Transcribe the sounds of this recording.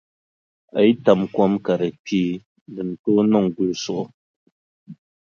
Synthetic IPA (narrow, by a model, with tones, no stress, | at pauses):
a˨i˦ta˨mkwɔ˦mka˨ɾɛ˨k͡piː˦ | dɨ˨n˨to˦nɔ˦˨ŋ˨ɡu˨sɔ˨ʔɔ˦